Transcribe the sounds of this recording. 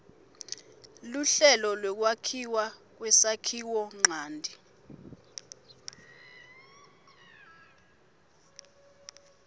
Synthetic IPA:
luɬɛlɔlwɛk̬wakʰiwak̬wɛsakʰiwɔŋ͡ǀʱaːndʱi

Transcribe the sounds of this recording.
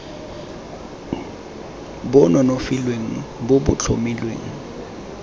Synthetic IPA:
bʊnɔnofilweŋ̩bʊbʊ̰t͡ɬʰo̰milwḛːŋ̩

